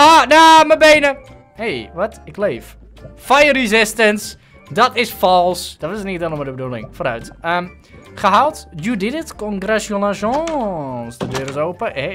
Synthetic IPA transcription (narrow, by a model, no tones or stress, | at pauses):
anaməbeːnə | hejʋɔtɪkleːf | fajərizɪstəns | dɔtɪsfɔlˠsd̥ɔtɪsniətɛnˠəmadəbədulɪ̰ŋfoɾœ̰ɥtəm | χəɦalˠtjudɪdətkɔnɡrɛʃjolãʒɔnsdədøːɾɪsowpəe